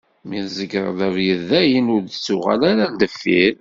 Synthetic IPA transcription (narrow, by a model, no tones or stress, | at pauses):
miθzəɡɾəðævjəðæjənʊɾəsʊʁa̰læɾæd̪əfːiɾ